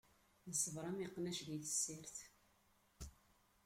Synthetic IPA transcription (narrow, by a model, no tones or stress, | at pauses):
nəsˤːəvɾˤɑmiqːnæʃɣiθə̥sːiɾθ